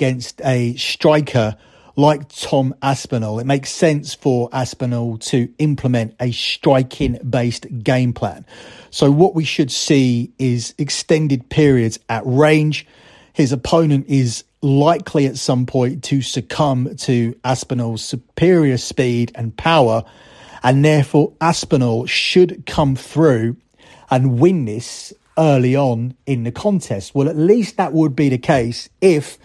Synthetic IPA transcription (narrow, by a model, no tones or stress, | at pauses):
əɡ̥ɛ̃nstəstɹ̥aɪkʰə | laɪk̚tʰɒ̃maspənəlˠɪʔ̚meɪksɛ̃nsfə˞ʔaspənəlˠtʰəɪ̃mpʰləmɛ̃ntəstɹ̥aɪkʰɪ̃ŋbeɪstɡ̥ẽɪ̃mpʰl̥æ̰̃nsoʊwɒʔwiʃəd̥siɪzɪkstɛ̃ndɪd̚pʰɪəɹiədz̥əʔɹẽɪ̃nd͡ʒ̥ | hɪzəpʰə̃ʊ̃nə̃ntɪz | laɪkʰliətsʌ̃mpʰɔ̃ɪ̃ntʰɨsəkʰʌ̃mtʰɨaspənəlˠz̥səpʰɪəɹiəspiɾə̃npʰaʊə˞ | ə̃nðɛɹfɔːɹaspənəlˠʃɨd̚kʰʌ̃mθɹʉː | ə̃nwɪ̃nðɪs | ɜːliə̃nɪ̃nðɨkʰɒ̃ntʰɛst̚wɛlˠətˡliˑst̪̚ðəʔwəd̚biðɨkʰeɪsɪf